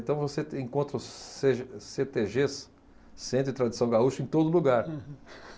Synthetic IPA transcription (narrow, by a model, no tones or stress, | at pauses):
t̪ɐ̃w̃voseẽŋkõnt̪ɾɐʊsseset̪eʒes | sẽnt̪ɾɪt̪ɾad̪isɐ̃w̃ɡauʃʊẽt̪od̪ʊluɡaɾ